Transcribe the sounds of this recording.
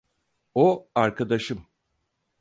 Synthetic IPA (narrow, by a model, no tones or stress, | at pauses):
oaɾkʰad̪aʃɯm